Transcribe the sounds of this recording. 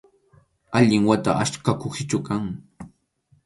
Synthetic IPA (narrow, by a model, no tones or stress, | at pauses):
aʎɪŋwat̪a̰ʔaʃkakʊksɪt͡ʃʊkaŋ